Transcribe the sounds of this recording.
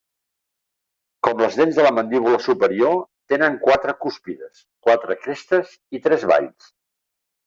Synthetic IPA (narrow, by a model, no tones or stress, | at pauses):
kɔmləzðenzðələmənd̪iβ̞uləsupəɾiot̪enəŋkwat̪ɾəkuspiðəs | kwat̪ɾəkɾest̪əz | it̪ɾɛzβa̰ʎs